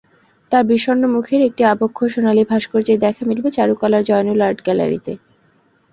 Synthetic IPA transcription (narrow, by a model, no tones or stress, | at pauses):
t̪aɾbiʃonːomukʰeɾek̚ʈiabokʰːoʃonalibʱaʃkoɾd͡ʑeɾd̪ɛkʰamilbet͡ɕaɾukɔlaɾd͡ʑɔenulaɾɖɡɛla̰ɾḭt̪e